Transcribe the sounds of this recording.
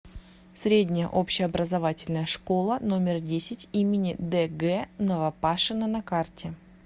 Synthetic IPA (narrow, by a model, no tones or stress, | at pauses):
sʲɾʲedʲnʲɪjə̰ʔo̞pɕɪɐbɾəzavatʲɪlʲnəjəʂko̞lˠəno̞mʲɪrdʲesʲɪtʲimʲɪnʲɪd̪ɛɡɛnəvɐpaʂɨnənɐkartʲɪ